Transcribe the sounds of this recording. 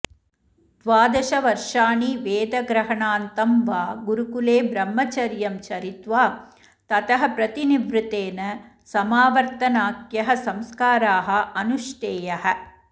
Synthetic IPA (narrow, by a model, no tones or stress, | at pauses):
d̪̥ʋaːd̪ɐʃɐʋɐɾʂaːniʋeːd̪ɐɡɾɐɦɐɳaːnt̪ɐmʋaːɡuɾukuleːbɾɐmːɐt͡ʃɐɾjɐmt͡ʃɐɾit̪ʋaː | t̪ɐt̪ɐɦɐ̆pɾɐt̪iniʋɾut̪eːnɐ | sɐmaːʋɐɾt̪ɐnaːkjɐɦɐ̆sɐmskaːɾaːɦɐ̆ɐnuʃʈ̪eːjɐɦɐ̆